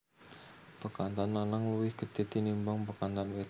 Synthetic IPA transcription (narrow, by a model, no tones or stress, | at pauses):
pəkant̪anːanaŋuwɪhɡ̥əd̪̥e̤t̪inimbaŋpəkant̪anwe